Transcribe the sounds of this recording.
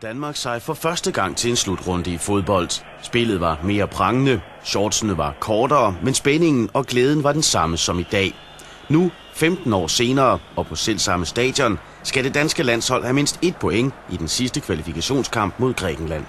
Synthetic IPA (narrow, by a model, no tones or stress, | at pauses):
d̥ænmɑ̈ːɡ̥sɑ̈ɪfɒ̽fɶɐsd̥əɡ̥ɑ̈ŋ̰t͡sʰe̝le̝nslud̥ʁɔ̽nd̥əifo̝ð̞ˠb̥ɒ̽l̰d̥ | sb̥e̝lð̩ˠʋɑ̈me̝ːɐb̥ʰʁɑ̈ŋənə | ɕɒːd̥snəʋɑ̈kʰɒːdɐːmensb̥ene̝ŋn̩ɒ̽ɡ̥leːð̞ˠn̩ʋɑ̈d̥ensɑ̈məsɒ̽mid̥ɛ̰ː | nu | femd̥n̩ɒ̰ːse̝ːnɐːɒ̽pʰɒ̽sel̰sɑ̈məsd̥ɛ̰ːd̥jɒ̽n | sɡ̥æd̥e̝d̥ænsɡ̥əlæn̰shɒ̽l̰hæme̝n̰sd̥e̝d̥̚pʰo̽eŋ̰id̥ensisd̥əkʰʋælifikʰæɕo̝̰ːnskʰɑ̈m̰b̥mo̝ð̞̰ˠɡ̥ʁɛ̰ːɡ̥n̩læn̰